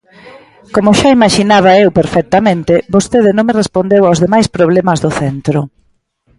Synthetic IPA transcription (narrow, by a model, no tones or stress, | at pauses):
komʊʃaimaʃinaβ̞ɐewpeɾfɛk̚t̪amẽnt̪ebost̪eðɪnõŋmerespond̪ewawzðemajspɾoβ̞lɛmɐzðʊθɛnt̪ɾʊ